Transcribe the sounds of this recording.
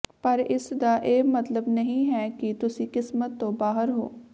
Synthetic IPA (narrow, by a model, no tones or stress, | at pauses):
pəɾɪsd̪aːʔeːmət̪ləbnəɦĩːɦɛːkɪt̪ʊsĩːkɪsmət̪ːõːbaːɦəɾɦo̰ː